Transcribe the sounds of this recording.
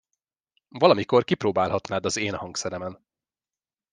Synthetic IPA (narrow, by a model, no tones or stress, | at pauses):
vɒlɒmiko̞rkiproːbaːlɦɒt̪naːd̪ɒzeːnhɒŋksɛɾɛmɛn